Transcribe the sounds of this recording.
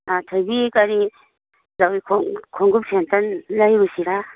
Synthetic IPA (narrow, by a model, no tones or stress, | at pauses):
atʰɯjbikaɾi | zawikʰɔŋkʰɔŋɡup̚sentanlajbɯsiɾa